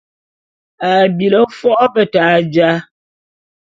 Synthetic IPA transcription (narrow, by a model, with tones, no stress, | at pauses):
a˨bi˨lə˦fɔ˦ʔbə˨ta˨˦d͡ʒa˦